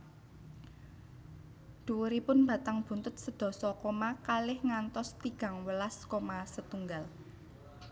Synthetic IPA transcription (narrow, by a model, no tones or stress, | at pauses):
d̪̥uwuɾipʊnb̥a̤t̪aŋb̥ṳnt̪ʊt̪̚səd̪̥ɔ̤sɔkomakalɪhŋant̪ɔst̪iɡ̥ä̤ŋwəlaskomasət̪uŋɡal